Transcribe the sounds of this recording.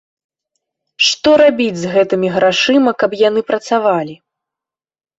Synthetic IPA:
ʂt̪ɔɾabʲid͡zʲzɣɛt̪ɨmʲiɣɾaʂɨmɐkɐpjan̪ɨpɾɐt̪savalʲi

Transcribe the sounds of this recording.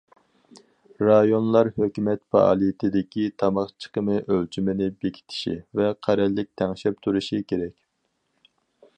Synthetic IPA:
ɾɑjonlˠɑɾhøkʲymɛt̪fɑ̰ʔɑ̰ːlˠijit̪ʰɪd̪ɪkʲit̪ʰɑmɑχt͡ʃʰə̥qəmɨʔølt͡ʃʰimɪnɪbekʲʰi̥t̪ʰɪ̥ʃḭvɛqʰæɾɛlːɪk̚ʲt̪ʰɛŋʃɛp̚t̪ʰuɾuʃikʲʰeɾɛkʲ

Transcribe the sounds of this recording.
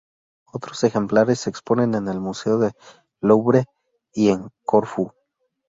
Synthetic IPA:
o̞t̪ɾo̞se̞xe̞mplaɾe̞sːe̞ːkspo̞ne̞ne̞ne̞lmuse̞oðe̞ | lowβɾe | ie̞ŋkoɾfu

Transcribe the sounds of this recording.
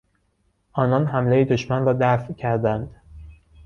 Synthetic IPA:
ʔɒːnɒːnɦæmlejid̪oʃmænrɒːd̪æfcʰæɾd̪ænd̪

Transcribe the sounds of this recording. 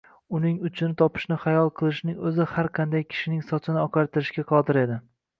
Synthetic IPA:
ʊnɪŋʊt͡ʃʰɪnɪt̪ʰɒpʰɪ̥ʃnɪχajɒlˠqʰɨlˠɪʃnɪŋɵzɪhaɾqʰɑnd̪ajkʲʰɪ̥ʃɪnɪŋsɒt͡ʃ̪ʰɪnɪɒqʰɑɾt̪ɪɾɪʃkʲaqʰɒd̪ɪɾe̞d̪ɪ

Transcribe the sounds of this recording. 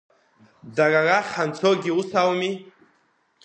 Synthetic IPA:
dararaχant͡sʰoɡʲiusawmi

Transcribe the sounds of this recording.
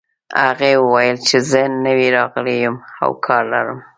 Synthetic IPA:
a̰ɣewəwajəlt͡ʃezənəwiɾɑɣlejəma̰wkʰɑɾla̰ɾəm

